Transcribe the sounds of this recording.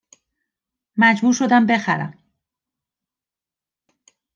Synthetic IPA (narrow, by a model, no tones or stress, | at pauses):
mæd͡ʒbuːɾʃo̞d̪æmbe̞xæ̰ɾæ̰m